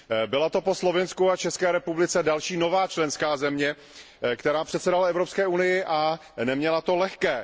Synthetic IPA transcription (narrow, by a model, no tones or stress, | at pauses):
bɪlat̪o̞po̞slo̞vɪnskuat͡ʃɛskɛːɾɛpublɪt͡sɛdalʃiːno̞vaːt͡ʃlɛnskaːzɛmɲɛ | kt̪ɛɾaːpr̥ɛt̪sɛdalɛvɾopskɛːʔunɪjɪʔa | nɛmɲɛlat̪o̞lɛxkɛː